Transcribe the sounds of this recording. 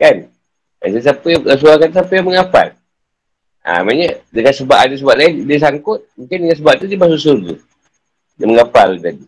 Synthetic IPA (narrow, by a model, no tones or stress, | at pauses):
kan | a̰sas̬apəjs̬uakant̪sapəjaməŋapa̰l | a̰maɲadəŋansəbaʔadas̬əbaʔlaindiəs̬aŋkʊt̪̚muŋkɪndəŋans̬əbaʔ̚t̪udimas̬usurɡṵ | daməŋapa̰ld͡ʒadi